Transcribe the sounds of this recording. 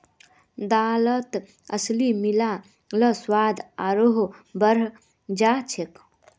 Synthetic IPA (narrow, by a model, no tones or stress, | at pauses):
d̪alət̪ | əslimila | ləswad̪aɾoɦbəɾ | d͡ʒat͡ʃʰek